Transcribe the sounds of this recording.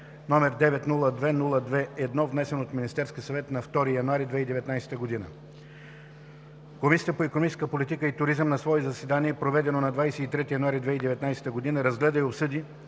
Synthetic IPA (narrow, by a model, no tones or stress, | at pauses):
nɔmɛɾd̪ɛvɛt̪nulˠəd̪vɛnulˠəd̪vɛɛd̪nɔvnɛsɛnot̪minist̪ɛɾskʲiəsɐvɛt̪nɐft̪ɔɾijɐnʊaɾid̪vɛid̪ɛvɛt̪najsɛ̥t̪əɡod̪inə̰ | komisʲiət̪əpoɛkonomit͡ʃɛ̥skəpolit̪ikəit̪ʊɾizəmnɐsvɔɛzɐsɛd̪aniɛpɾovɛd̪ɛnonɐd̪vajsɛit̪ɾɛt̪ijɐnoʊaɾid̪vɛid̪ɛvɛt̪najsɛ̥t̪əɡod̪inəɾɐzɡlɛd̪əiopsɤd̪i